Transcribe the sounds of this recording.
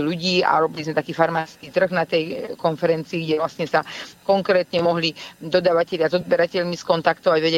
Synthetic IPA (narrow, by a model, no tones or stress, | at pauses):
luɟiːa̰ɾɔbilizmɛt̪akiːfaɾmaːskiːt̪r̩ɣnat̪ɛjkɔnfɛɾɛnt͡siːɡɟɛʋlasɲɛsakɔŋkɾɛːt̪ɲɛmɔɦlid̪ɔd̪aʋacɛʎɪazɔd̪bɛɾacɛʎmiskɔnt̪akt̪ɔʋaɟʋɛɟɛ